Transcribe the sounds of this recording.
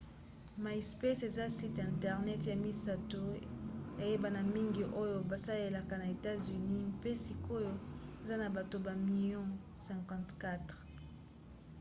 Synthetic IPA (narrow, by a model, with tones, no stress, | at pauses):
ma˨i˨spe˦se˨za˦si˦tɛ̃˨ntɛ˨ʁnɛ˦tja˨mi˨sa˨to˦a˨je˦ba˨na˨mi˦ŋɡi˨ʔo˦jo˨ba˨sa˦le˦la˨ka˨na˨e˨ta˦zy˨ni˦mpe˦si˨ko˦jo˦e˨za˦na˨ba˨to˨ba˨mi˦˨ljɔ̃˦ | sɛ̃˨ŋkɑ̃˦tka˦tʁ